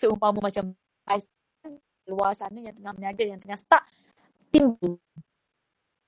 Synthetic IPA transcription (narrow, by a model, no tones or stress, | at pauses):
səumpamumat͡ʃam | bais | n | luasanəjaŋt̪əŋahmənad͡ʒajaŋt̪əŋahsə̥t̪aʔ | t̪imbu